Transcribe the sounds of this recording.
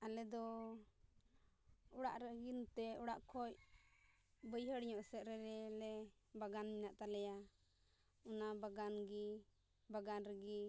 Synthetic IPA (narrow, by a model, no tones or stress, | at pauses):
alɛd̪ɔ | ɔɽaʔɾəɡint̪ɛɔɽaʔkʰɔc̚ | bəjɦəɽɲɔʔsɛt̪̚ɾɛɾɛlɛbaɡanminaʔt̪alɛja | unabaɡanɡi | baɡanɾəɡi